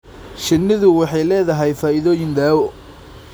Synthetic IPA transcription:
ʃɪnːɪðʊwɑħɑjlɛːðɐɦɛjfaːɪðɔːjɪnd̪aːwɔ

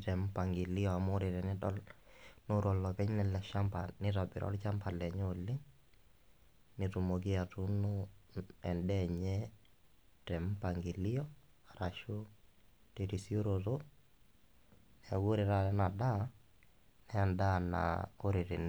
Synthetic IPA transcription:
tɛmpaŋɡilijɔamoɾiɾɛnɪdɔlnoɾɔlːɔpɛɲnɛlɛʃampanɪtabɪ̰ɾʔɔ̰lt͡ʃampʰalɛɲoːlːɪŋ | nitumoɡiatunɔ | ɛndɛɲɛ | tɛmpaŋɡilijɔaɾaʃu | teɾisioɾoto | nɛɡuɾɪɾalɛnada | nɛandana̰oɾiɾɛn

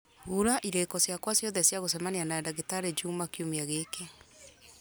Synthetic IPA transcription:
uɾaʔiɾekɔsjakwasjɔðɛsjaɣos̬ɛmanianaɛdaɣetaɾed͡ʒumakiumeaɣeke

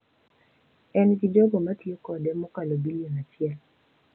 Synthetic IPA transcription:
ɛnɡɪd͡ʒɔɡɔmatjekɔdɛmɔkalobilionat͡ʃɪɛl

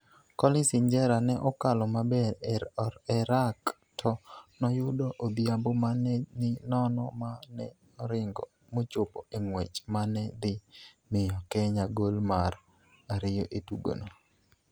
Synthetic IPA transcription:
kɔlɪsɪɲd͡ʒɛɾanɛʔɔkalɔmabɛɾ | ɛɾak | tʰɔnɔjʊdoʔod̪jambomanɛnɪnɔnɔ̰manɛ | ɔɾɪŋɡɔ̰ | mot͡ʃʊpɔʔeŋwet͡ʃmanɛd̪ɪ | mɪjɔkɛɲaɡolmar | aɾɪjɔʔetuɡo̰no

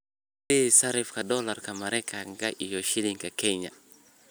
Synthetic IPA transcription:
esaɾɛfkadɔlaɾkamaɾɛkʰaŋɡaʔijɔʃiliŋɡakɛɲa̰

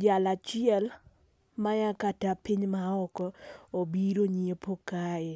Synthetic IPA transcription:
d͡ʒalat͡ʃɪɛl | majakatapiɲmaɔkɔobiɾoɲiepokaɪ

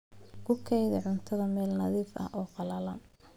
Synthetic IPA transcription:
kʰʊkʰɛjðɐʕʊnt̪ʰɐðɐmɛːlnɐðiːfɐ̰hɔːqɑlɐlɐn

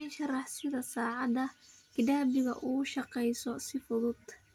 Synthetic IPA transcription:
nʃɐrɑħsɪðɐsɑːʕɑd̪ɐkɪdaːbɪɣɐʔuːʃɑqɛjsɔsɪfʊðʊd̪̥

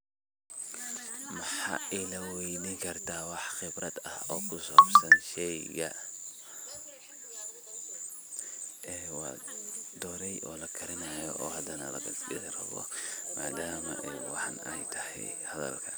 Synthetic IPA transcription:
mɐħɑ̰ːɪlɐwɛjnɪŋkʰɐrt̪ʰaːwɑħxɪbɾɐd̪ɐhɔːkʰʊsɔːbsɐnʃɛjɣɐ | ɛːwɑ̰ːd̪ɔːɾɛjʔɔːlɐkʰɐɾɪnajɔʔɔːhɐd̪ɐnɐ̰lɐ̰ɡɐsɪɾɐ̰βɔ̰ma̰ːd̪aːmɐ̰ʔɛwɑħɑnɛjt̪ʰɐhɛ̰j | hɐðɐ̰lkʰɐ

